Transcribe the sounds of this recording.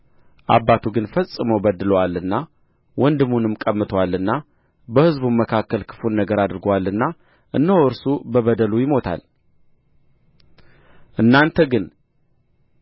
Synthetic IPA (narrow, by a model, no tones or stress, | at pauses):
ʔa̰bːat̪ʰuɡɨnfəsʼːɨməwbəd̪ɨləwalːɨnːa | wɔnd̪ɨmːunɨmkʼəmːɨt̪ʰəwalːɨnːa | bəhɨzbuməkʰakːəlkʰɨ̥funːəɡəɾad̪ɾɨɡowalːɨnːa | ʔɨ̰nːəhoɨɾsubəβəd̪əlujɪmo̞t̪ʰa̰l | ʔɨnːant̪ʰəɡɨn